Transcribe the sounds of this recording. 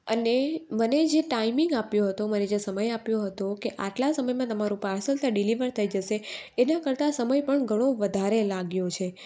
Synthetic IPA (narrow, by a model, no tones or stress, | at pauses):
əneməned͡ʒeʈaimiŋɡapjoɦət̪oməned͡ʒesəməjapjoɦət̪okeʔaʈlasəməjmãt̪əmaɾũpaɾsəlt̪ʰəɖiliʋəɾt̪ʰəid͡ʒəʃeːnakəɾt̪asəməjpəɳɡʱəɽ̃oʋəd̪ʱaɾelaɡjot͡ʃʰe